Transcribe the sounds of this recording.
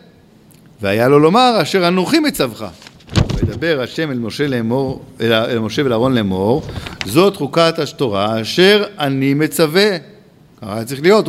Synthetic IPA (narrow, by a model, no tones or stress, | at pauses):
veajalo̞lo̞maʁaʃe̞ʁanuχimet͡savχa̰ | med̪abe̞ʁaʃe̞meloʃeleoalmo̞ʃevelaːʁo̞nlemo̞ʁzo̞t̪χukat̪aʃtoʁaːʃe̞ʁanime̞t͡save̞ | kaχajat͡sʁiχlijo̞t̪